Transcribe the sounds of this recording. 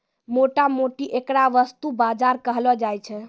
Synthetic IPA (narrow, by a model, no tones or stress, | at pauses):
moʈamoʈiʔekɾaʋəst̪ubad͡ʒaɾkəɦlɔd͡ʒajt͡ʃʰɛ